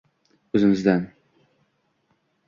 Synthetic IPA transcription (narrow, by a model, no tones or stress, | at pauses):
ɵzɪŋɪzd̪æn